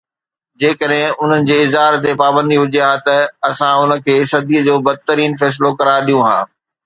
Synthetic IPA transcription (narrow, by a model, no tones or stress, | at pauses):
d͡ʑeːkəɗɦɪ̃ʊn̤ənɪ̆d͡ʑeːɪzɦaːɾt̪epaːbə̃nd̪iɦʊd͡ʑijaːɦt̪ɐɐsãʊnə̆kʰeːsɐd̪ʱiəd͡ʑoːbɐd̪̚t̪əɾiːnfɛːs̬ɪlokɐɾaːɪɗijũɦã̰ː